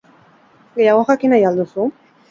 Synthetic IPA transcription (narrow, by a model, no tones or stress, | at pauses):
ɡejaɣoɣakinajald̪usu